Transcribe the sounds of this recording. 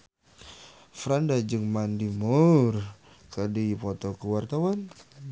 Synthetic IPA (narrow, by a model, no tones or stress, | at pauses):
fɾandad͡ʒɨŋmandimur | kədipɔt̪ɔkəwart̪awan